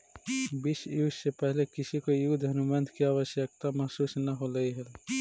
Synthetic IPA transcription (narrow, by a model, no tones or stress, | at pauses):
bisjuːssepɛɦlekɪsikojud̪ʱɦɐnumənd̪ʱkiaːʋəsjək̚t̪amɐɦsuːsnɐɦoləiɦɛl